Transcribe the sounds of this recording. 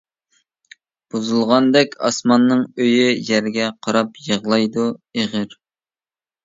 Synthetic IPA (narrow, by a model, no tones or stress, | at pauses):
b̥uzulˠʁɑnd̪ɛkʲɑ̰smɑnːɨŋøjyjɛɾɡʲɛqʰɑɾɑpjəʁlˠɑjd̪ueʁɪɾ